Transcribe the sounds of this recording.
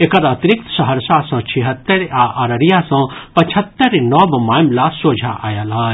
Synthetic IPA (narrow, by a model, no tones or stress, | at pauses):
ekɐɾɐt̪ɾɪk̚t̪sɐɦəɾsasɔ̃ːt͡ʃʰiɦɐt̪ːɐɾaʔɐɾəɾijasɔ̃pɐt͡ʃʰət̪ːəɾnɔːbmaːjmlasoːd͡ʒʱaʔa̰ːjalɦɐː